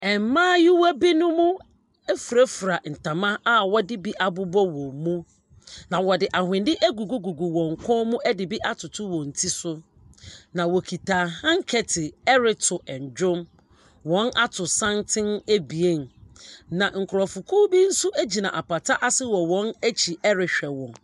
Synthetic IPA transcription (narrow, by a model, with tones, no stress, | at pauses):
ɛ˨m˨mãː˦jɪ˦wa˦bi˦nʊ̃˦mʊ̃˦ | ɛ˦fu˨ɾæ˦fu˨ɾa˨n̩˨tʰã˨mã˦a˨wɔ˦dɪ˦bi˦ʔa˨bʊ˦bɔ˦wɔ̃˨mũ˦ | nã˨wɔ˨dɪ˨ʔa˨hɪ̃˨ndɪ˦ʔæ˦ɡu˨ɡu˦ɡu˨ɡu˨wɔ̃˨ŋ̩˨kʰɔ̃˦mũ˦ɛ˦dɪ˨bi˦ʔa˦tʰʊ˨tʰʊ˦wɔ̃˨n̩˨tʰi˦sʊ˦ | nã˨wɔ˨kʰi˨tʰaː˨hã˦ŋ̩˦kʰɛ˨tʰɪ˨ɛ˦ɾɪ˦tʰʊ˨ʔɛ̃˨ɲ˨d͡ʑᶣʊ̃˦m | wɔ̃˦na˦tʰʊ˨sã˦ntʰɪ̃˦ne˦bi˨e˦n˨nã˨ŋ̩˨kʰʊ˨ɾɔ˨fʊ˨kʰu˦bi˦n̩˦sʊ˦ʔæ˦d͡ʑi˨nã˨ʔa˨pa˨tʰa˦ʔa˦sɪ˦wɔ˨wɔ̃˨˦næ˦t͡ɕʰi˨ʔɛ˦ɾɪ˨ɕᶣɛ˨wɔ̰̃˨ŋ